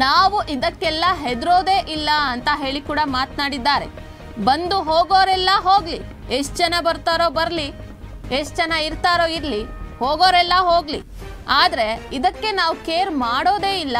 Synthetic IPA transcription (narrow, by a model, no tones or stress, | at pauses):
naːʋuʔid̪ɐkːɛlːɐɦed̪ɾoːd̪eːʔilːɐɐnt̪ɐɦe̞ːɭikuːɽɐmaːt̪naːɽid̪ːaːɾe̞̰ | bɐnd̪uɦoːɡoːɾɛlːɐɦoːɡli | eʂtd͡ʒɐnɐbɐɾt̪aːɾo̞ːbɐɾli | esd͡ʒɐnɐiɾt̪aːɾo̞ːiɾlihoːɡoːɾɛlːɐɦoːɡlḭ | aːd̪ɐɾe̞id̪ɐkːe̞naːʋukeːɾmaːɽo̞ːd̪e̞ːilːɐ